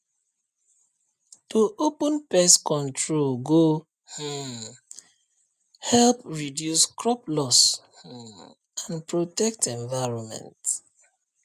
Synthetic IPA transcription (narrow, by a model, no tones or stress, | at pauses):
tuʔopə̃npɛskɔ̃ntʰɹolɡo | h̩ | hɛlpɹidjuskɹɔplɔs̩ | ãnpɹotɛk̚tʰɛ̃ɱvaɪɹɔ̃nmɛ̰̃nt